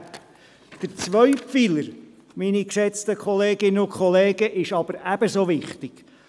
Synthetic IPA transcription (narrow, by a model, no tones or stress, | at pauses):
d̥əɾt͡sʋœɥpfiləɾ | minikʃɛt͡stəkχɔleːɡɪnəʊkχɔleːɡəʔɪʃɑb̥əɾæb̥əsoʋɪχtɪɡ̥